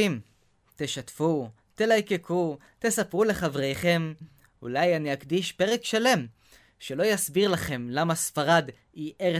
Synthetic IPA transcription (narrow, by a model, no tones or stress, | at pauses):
im | t̪eʃat̪fu | t̪e̞lajke̞kʰu | t̪e̞sapʁule̞χavʁe̞jχe̞m | ṵlajaniakd̪iʃpe̞ʁe̞kʃale̞m | ʃe̞lo̞jasbiʁlaχe̞mlamasfaʁad̪ | iʔeʁe